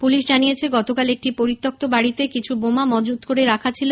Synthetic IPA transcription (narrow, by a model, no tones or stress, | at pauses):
puliʃd͡ʑanijet͡ɕʰeɡɔt̪okalek̚ʈipoɾit̪ːok̚t̪obaɽit̪ekit͡ɕʰubomamɔd͡ʑud̪koɾeɾakʰat͡ɕʰilo